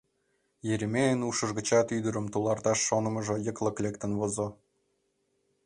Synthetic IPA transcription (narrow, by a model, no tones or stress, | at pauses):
jeɾʲemʲeənuʃɤ̆ʒɡə̆t͡ɕɑt̪yd̪ə̆ɾə̆mt̪ulˠɑrt̪ɑʃːonɤ̆mɤ̆ʒɤ̆jɤ̆klˠɤ̆klʲekt̪ə̆nβozŏ